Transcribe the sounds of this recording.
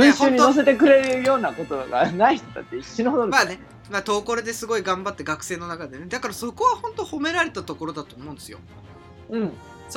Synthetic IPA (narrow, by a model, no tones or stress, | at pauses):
ɯ̟̃ɰɕõɨːɲ̟ino̞s̬e̞t̪e̞k̬ɯ̟ɾe̞ɾɯjo̞ːnako̞t̪oaɡa̰naiçi̥t̪ot̪a̰t̪ːeiɕːinood̪oɾmaːne̞ | maːt̪o̞ːko̞ɾɯd̪e̞sɨɡo̞iɡãmbat̪ːeɡakɯ̟̥seːno̞nakad̪e̞ned̪akaɾaso̞ko̞βahõ̞nt̪o̞ho̞me̞ɾaɾe̞t̪at̪o̞ko̞ɾo̞d̪at̪o̞ːmõ̞̟nd̪esijo̰ | ɯ̟̃ɴ | soː